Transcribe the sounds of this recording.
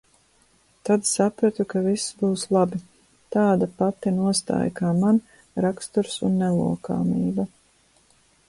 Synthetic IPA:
t̪ad̪sapɾat̪ukavisbuːslˠabi | t̪aːd̪apat̪inuɔst̪a̰ːjakaːman | ɾakst̪uɾsunːɛlˠṵɔka̰ːmiːba

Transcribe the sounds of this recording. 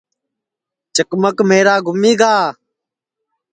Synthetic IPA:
t͡ʃəkməkmeːɾaːɡʱʊmiːɡaː

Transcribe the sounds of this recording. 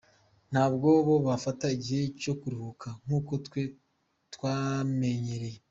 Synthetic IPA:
n̥haːbɡoβo̞βafataiɟihe̞co̞kuɾihukʰaŋ̥huːko̞te | twame̞ɲeɾeje

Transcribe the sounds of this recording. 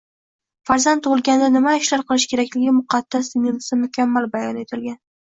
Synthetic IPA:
faɾzant̪ʰːʊʁɨlˠɡʲand̪anɪmaɪʃlaɾqʰɨlˠɪʃkʲʰe̞ɾakʲlɪɡʲɪmʊqʰɑd̪̥ːasd̪ɪnɪlɪsamʊkʲamːalbajɒne̞t̪ʰɪlɡʲan

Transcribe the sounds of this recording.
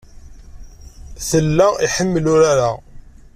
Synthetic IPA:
θəlːæiħəmːlʊɾaɾa

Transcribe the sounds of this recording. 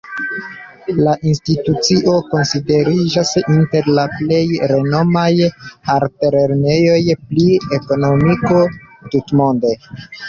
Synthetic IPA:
laʔinstitut͡siʔo̞ko̞nside̞ɾid͡ʒasinte̞ɾlaple̞jɾe̞no̞majaɾteɾeɾne̞jo̞jplieko̞no̞mikotutmo̞nde̞

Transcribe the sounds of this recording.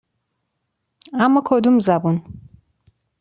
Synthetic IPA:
amakʰɔd̪umzabun

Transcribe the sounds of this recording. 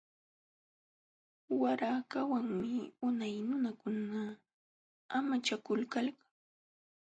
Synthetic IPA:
waɾakawaŋmɪʊnajnʊnakʊna | amat͡ʃakʊlkalkḁŋ

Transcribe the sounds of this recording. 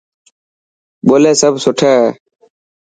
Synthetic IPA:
ɓoːleːsəbʱsʊʈʰaː

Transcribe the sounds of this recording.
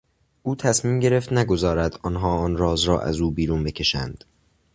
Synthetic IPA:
ʔuːt̪ʰæsmiːmɟe̞ɾe̞ft̪næɡo̞zɒːɾæd̪ɒːnɦɒːɒːnɾɒːzɾɒ̰ːʔæ̰zuːbiːɾuːnbe̞cʰe̞ʃænd̪̥

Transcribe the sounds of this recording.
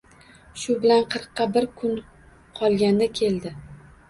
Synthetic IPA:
ʃʊbɪlanqʰɨɾqːɑbɪɾkʰʊn | qʰɒlˠɡʲand̪akʲʰe̞ld̪ɪ

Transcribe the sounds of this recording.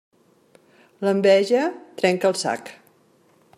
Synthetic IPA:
ləmbɛʒət̪ɾɛŋkəlˠsa̰k

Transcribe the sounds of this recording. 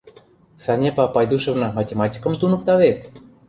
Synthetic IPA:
sɑnʲepɑpɑjd̪uʃə̆vnɤ̆matʲemɑtʲi̥kɤ̆mt̪unɤ̆k̚t̪ɑβet̪̚

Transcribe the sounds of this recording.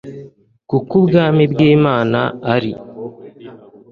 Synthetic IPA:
kukubɡaːmibɡiːmaːnaːɾi

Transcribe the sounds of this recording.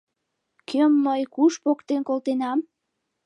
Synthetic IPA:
kʰømːəjkuʃpokt̪enkolt̪enɑm

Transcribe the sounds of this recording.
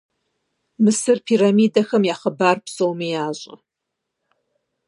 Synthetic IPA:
mɨsɨrpʰiːɾamiːdɐxɐmjaːχəbaːrpsowmijaːʑʼɐ̰

